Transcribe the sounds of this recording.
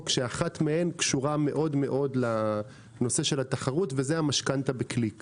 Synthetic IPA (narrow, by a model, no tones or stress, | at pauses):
kʃeaχat̪mee̞nkʃuʁame̞ʔo̞d̪me̞ʔo̞d̪la | no̞se̞ʃe̞lat̪aχaʁutvezeamaʃkant̪abeklik